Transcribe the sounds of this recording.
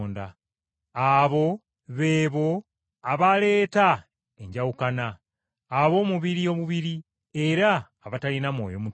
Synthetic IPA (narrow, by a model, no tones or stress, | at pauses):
nda | aβo̞ | βe̞ːβo̞ | aβale̞ːta | eɲɟawukanaː | βo̞ːmuβiɾio̞βuβiɾi | e̞ɾaː | βatalinamwo̞̰ːjo̞mu